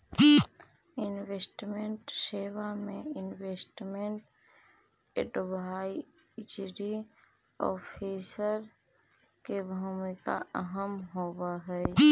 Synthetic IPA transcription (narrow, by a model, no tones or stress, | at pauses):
ɪnwesʈmeɳʈsewamẽɪnweːsʈmeɳʈ | ḛɖobʱaid͡ʒɾi | ɔ̰pʰesəɾ | kebʱumika̰əɦəmɦobaɦɛɛ